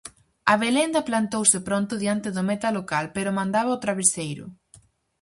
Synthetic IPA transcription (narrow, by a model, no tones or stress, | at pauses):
ɐβelend̪ɐplant̪owsɪpɾɔnt̪ʊðiant̪ɪðʊmet̪alokalpeɾʊmãnd̪aβɐaot̪ɾaβesejɾʊ̰